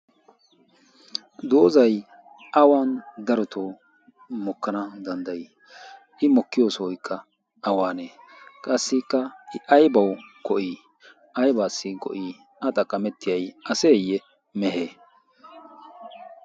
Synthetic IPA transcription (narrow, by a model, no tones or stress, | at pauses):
d̪o̞ːzɐj | ʔɐwaːnd̪ɐɾɔt̪ʰo | mɔkːɐnɐd̪ɐnd̪ɐj | ʔɪmɔkːɪjo̞ːsɔɔjkːɐ | ɐwaːneː | kʼɐsːɪkːɐɪʔɐjbɐwkɔʔiː | ʔɐjbaːsːɪkʼɔ̰ʔiː | ʔɐt̪ʼɐkʼːɐmɛt̪ːɪjɐjʔɐseːjːɛ | mɛɦeː